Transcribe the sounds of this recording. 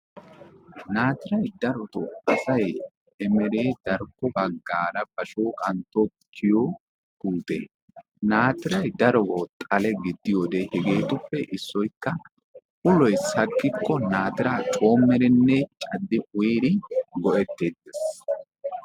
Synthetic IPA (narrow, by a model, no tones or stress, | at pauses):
naːt̪ɪɾɐjd̪ɐɾɔt̪ɔɐsɐj | ɛmɛɾeːd̪ɐɾkːɔbɐɡːaːɾɐb̥ɐʃoːkʼɐnt̪ɔ | kʰːɪjɔ | kuːt̪ḛː | naːt̪ɪɾɐjd̪ɐɾɔɡɔt̪ʼɐlɛɡɪd̪ːɪjoːd̪ehɛɡe̞ːt̪ʊpːɛʔɪsːɔjkːɐ | ʔʊlɔjsɐkːɪkːɔnaːt̪ɪɾaːt͡ʃʼo̞ːmːɛɾɛnːet͡ʃʼɐd̪ːɪʊjɾɪɡɔʔɛt̪ːeːd̪es